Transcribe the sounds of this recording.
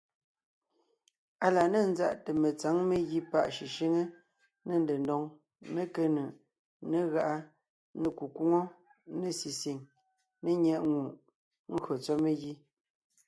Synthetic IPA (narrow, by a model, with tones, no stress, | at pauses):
a˨la˨ne˦˨n̩˦za˦˨ʔte˨me˨t͡sa˨˦ŋme˦ɣi˦pa˦˨ʔʃi˨ʃi˦ŋe˦ | ne˨n˨de˨ndɔ˨ŋ | me˦ke˦nə˨ʔ | ne˦˨ɣa˦ʔa˦ | ne˨ku˨ku˦ŋo˦ | ne˨si˨si˨ŋ | ne˦ɲɛ˨ʔŋu˨ʔ | ŋ̩˦ɣɥo˨t͡sɔ˦me˦ɣi˦